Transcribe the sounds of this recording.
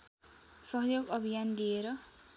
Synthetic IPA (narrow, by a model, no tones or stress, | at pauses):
sʌɦjoɡʌbʱijand̪ieɾʌ